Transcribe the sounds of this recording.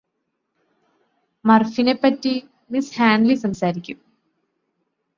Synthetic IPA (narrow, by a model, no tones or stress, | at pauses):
mɐrfinepːɐtːi | mishaːɳɖlisɐmsaːɾikʲːum